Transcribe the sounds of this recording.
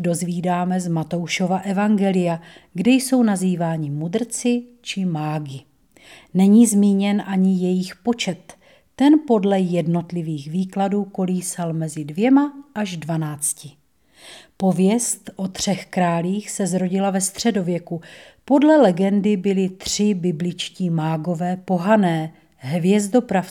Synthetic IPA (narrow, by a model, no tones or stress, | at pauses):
do̞zviːdaːmɛzmat̪o̞wʃo̞vaʔɛvaŋɡɛlɪjaɡdɛjso̞wnaziːvaːɲɪmud̪r̩t͡sɪt͡ʃɪmaːɡɪ | nɛɲiːzmiːɲɛnʔaɲɪjɛjɪxpo̞t͡ʃɛt̪ː | ɛnpo̞dlɛjɛdno̞t̪lɪviːxviːkladuːko̞liːsalmɛzɪdvjɛmaʔaʒdvanaːt͡scɪ | po̞vjɛst̪ʔo̞t̪r̝̥ɛxkɾaːliːxsɛzɾo̞ɟɪlavɛst̪r̝̥ɛdo̞vjɛku | po̞dlɛlɛɡɛndɪbɪlɪt̪r̝̥ɪbɪblɪt͡ʃciːmaːɡo̞vɛːpo̞ɦanɛː | ɦvjɛzdo̞pɾaf